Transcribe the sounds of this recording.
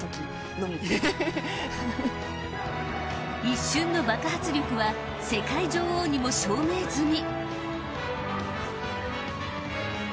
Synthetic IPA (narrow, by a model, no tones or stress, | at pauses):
kʲ | nomʲie | iɕːɨ̃nːo̞bakahat͡sɨɾʲjokɯ̟βa | se̞kaiʑo̞ːhoːɲ̟imo̞ɕoːme̞ːzɨɲ̟i